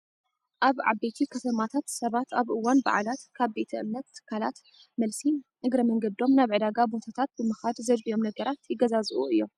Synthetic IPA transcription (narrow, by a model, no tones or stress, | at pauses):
ʔaβʕa̰bet̪ʰikʰɐt̪ʰɐmat̪ʰat̪sɐβat̪aβʔɨwːanba̰ʕa̰lat̪kʰaβbe̞t̪ʰɐʔɨmnɐt̪ːɨ̥kʰːalat̪ | mɐlsi | ɨɡɾɐmɐŋɡɐd̪o̞mnaβʕɨd̪aɡabot̪ʰat̪ʰat̪̚bɨmɨxad̪zɐd͡ʒbijo̞mnɐɡɐɾat̪jɪɡɐzazʔuɨjːo̞m